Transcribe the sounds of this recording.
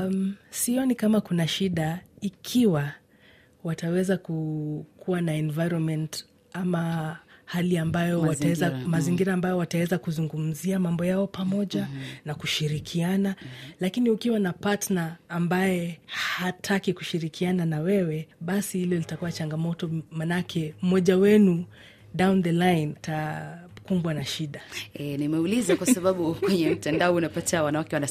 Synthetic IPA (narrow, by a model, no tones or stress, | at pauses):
siɔnikamakunaʃiɗaikʰiwa | watawɛzakukʰuwanaɛnvajɾɔnmɛnt | amahaliambajɔwatawɛzamaziŋɡiɾaːmbajɔwatawɛzakuzuŋɡum̩ziamambɔjaɔpamɔʄanakuʃiɾikʰianalakiniukiwanapatnaːmbajɛhatʰakiku̥ʃiɾikʰiananawɛwɛɓasihilɔlitakuwat͡ʃaŋɡamɔtɔmanakʰɛm̩mɔʄawɛnu | ɗawnðɛlajntakumbwanaʃiɗaɛnimɛulizakwasaɓaɓukwɛɲɛm̩tandaɔunapatawanawakɛwana